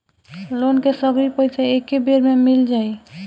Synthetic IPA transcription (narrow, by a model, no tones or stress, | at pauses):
lonkesəɡɾipəɪseekːebeɾmemild͡ʒae